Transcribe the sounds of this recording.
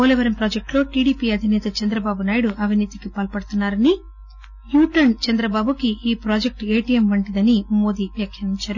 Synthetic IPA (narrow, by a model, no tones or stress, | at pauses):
oːliʋɐɾɐmpɾoːd͡ʒek̚ʈloːʈiːɽiːpiːɐd̪ʱinɛːt̪ɐt͡ʃɐnd̪ɾɐbaːbunaːjiɽuʔɐʋʱiniːt̪ikipɐːlpɐɽut̪unːaːɾɐni | juːʈɐnt͡ʃɛnd̪ɾɐbaːbukiʔiːpɾaːd͡ʒek̚ʈe̞ːʈijemʋɐɳʈid̪ɐnimo̞ːd̪iːʋjakʰjɐʋiɲt͡ʃaːɾu